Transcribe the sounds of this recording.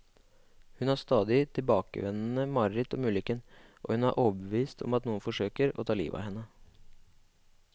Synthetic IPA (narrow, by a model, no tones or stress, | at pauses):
hʉnæːst̪ɑːd̪ɪt̪ʰɪlbɑːkə̰ʋɛnn̩əmɑɾɪt̪ɔmʉːlɪkənʔɔ̰ːhʉnæɾʔoːbəʋiːst̪ʰɔ̰mɑt̪nuːənfɔʂøːkəɾɔ̰t̪ʰɑːlḭːʋɑ̰hɛnːə